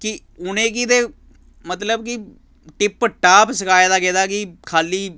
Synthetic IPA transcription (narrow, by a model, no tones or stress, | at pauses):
kɪ | ʊnẽːk̬ɪt̪eː | mət̪ləbkɪ | ʈɪpːəʈaːpsəkʰaːjːd̪aːkeːd̪aːkɪkʰaːliː